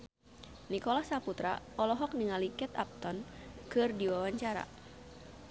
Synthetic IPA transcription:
nikɔlahsaput̪ɾa̰ | ɔlɔɦɔk̚niŋalikɛt̪a̰p̚t̪ɔnkɨrdiwawaɲt͡ʃaɾa̰

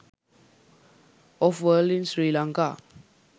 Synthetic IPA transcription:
ɔfwəlĩnsɹilãŋka

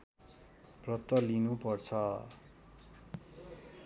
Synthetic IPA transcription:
prʌt̪ːʌlinupʌrt͡sʰʌ

